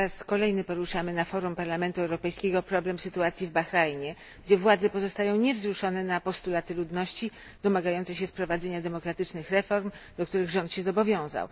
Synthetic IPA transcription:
ɾaskɔlɛjnɘpɔɾuʂamɘnafɔɾumpaɾlamɛnt̪uɛwɾɔpɛjskʲɛɡɔpɾɔblɛmsɘt̪uat̪sʲjivbaxɾajɲɛ | ɡd͡ʑɛvwad̪zɛpɔzɔst̪ajɔ̃w̃ɲɛvzɾuʂɔnɛnapɔst̪ulat̪ɘlud̪nɔɕt͡ɕi | d̪̥ɔmaɡajɔnsɛɕ̬ɛfpɾɔvad̪zɛɲad̪ɛmɔkɾat̪ɘt͡ʂnɘxɾɛfɔɾmd̪ɔk̚t̪uɾɘɣʐɔ̃nt̪ɕɛzɔbɔvʲjɔ̃w̃za̰w

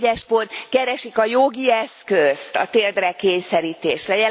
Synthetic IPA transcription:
ɛʃpo̞nt̪kɛɾɛʃikɒjoɡiɛskøst̪ɒ̰t̪eːld̪rɛkeːɲsɛɾiːt̪eːʃrɛjɛ

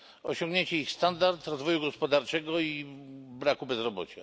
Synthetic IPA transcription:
ɔɕɔŋɡɲeɲt͡ɕɛixst̪and̪aɾt̪ɾɔzvɔjuɡɔspɔd̪aɾt͡ʂɛɡɔibɾakubɛzɾɔbɔ̰t͡ɕa

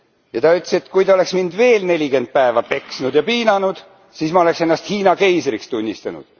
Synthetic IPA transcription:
jɑt̪ɑyt̪ːˑset̪ːˑkujt̪ɑo̞le̞ksmind̪̥ve̞ːlne̞lʲike̞nd̪̥̚pæevɑpe̞ksnud̪̥jɑpiːnɑnud̪̥ | siːsmɑo̞le̞kse̞nːɑst̪hiːnɑke̞jsrikst̪unʲːist̪ɑnṵd̪̥

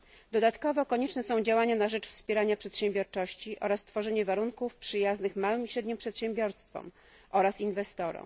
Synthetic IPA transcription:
d̪ɔd̪at̪kɔvɔkɔɲɛt͡ʂnɛsɔ̃w̃d͡ʑawaɲanaʐɛt͡ʂfspʲjeɾaɲapʂɛt̪ɕɛmbʲjɔɾt͡ʂɔɕt͡ɕiʔɔ̰ɾast̪fɔʐɛɲɛvaɾuŋkufpʂɘjaznɘxmawɘmiɕɾɛd̪ɲɛmpʂɛt̪ɕɛmbʲjɔɾst̪fɔ̰m | ʔɔɾasinvɛst̪ɔɾɔ̰m

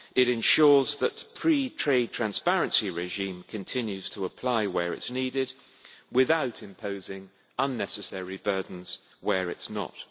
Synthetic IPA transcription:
ɪɾɨ̃nʃɔɹzðətpʰɹ̥itʰɹ̥eɪd̚tʰɹ̥æ̃nspɛɹɨ̃nsiɹɛʒĩmkʰɨ̃ntʰɪ̃njʉz̥tʰəːpʰl̥aɪwəɹɪ̰tsnidɪd̚ | wɪðaʊtɪ̃mpʰoʊzɪ̃ŋ | ʌ̃nːɛsɨsɛɹibɜ˞dⁿn̩z̥ | wəɹɪtsnə̰t̚

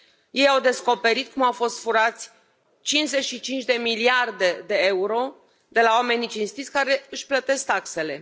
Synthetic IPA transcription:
je̞jawd̪e̞sko̞pe̞ɾit̪̚kumawfo̞st̪fuɾat̪sʲ | t͡ʃint͡ʃze̞ʃit͡ʃint͡ʃd̪e̞miliard̪e̞d̪e̞e̞uɾo̞ | d̪e̞lawame̞nit͡ʃinst̪it̪sʲkaɾe̞ɨʃʲplət̪e̞s̚t̪akse̞le̞

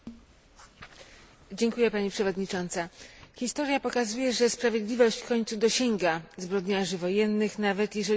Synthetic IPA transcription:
d͡ʑɛŋkujɛpaɲipʂɛvɔd̪ɲit͡ʂɔnt̪saxʲist̪ɔɾʲjapɔkazujɛʐɛspɾavʲjed̪lʲivɔɕt͡ɕfkɔɲt̪sud̪ɔɕɛŋɡazbɾɔd̪ɲaʐɘvɔjɛnːɘxnavɛt̪jɛʐɛ

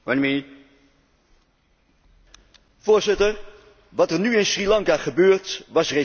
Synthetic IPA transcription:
wənmi | vʊːɹzɪtəɹ | ʋɑtəɹnyɪnsrilɑŋkaχəbøːɹtʋɑsre

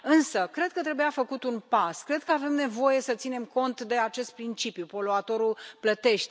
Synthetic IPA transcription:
ɨnsəkɾe̞d̪̚kət̪ɾe̞bujafəkut̪unpaskɾe̞d̪̚kəave̞mne̞vo̞je̞sət̪sine̞mko̞nt̪d̪e̞at͡ʃe̞st̪̚pɾint͡ʃipjupo̞loat̪o̞ɾulplət̪e̞ʃt̪e

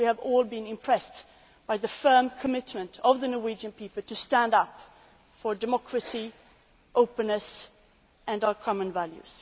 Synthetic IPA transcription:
wiɨvɔlˠbɨ̃nɪ̃mpʰɹ̥ɛst | b̥aɪðɨfɜ̃˞mkʰəmɪtmɨ̃ntʰʌvðɨnɔɹwid͡ʒɨ̃npʰipəl̩ˠtʰɨstæ̃ndʌp | fə˞dɨmɑkʰɹɨsi | ʔoʊpɨ̃nːɨs | ɨ̃naʊə˞kʰɑmə̃nvæljʉ̰z̥

